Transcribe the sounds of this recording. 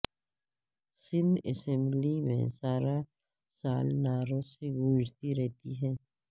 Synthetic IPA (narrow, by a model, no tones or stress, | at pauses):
sɪ̃nd̪ɛ̰sɛ̃mblimḛ̃saːɾa | saːlnaːɾõseɡuːd͡ʒt̪iɾɛɦt̪iɦɛ̃ː